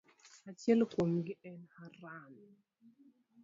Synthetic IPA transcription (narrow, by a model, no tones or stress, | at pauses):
at͡ʃjɛlkwomɡɪʔɛnaɾan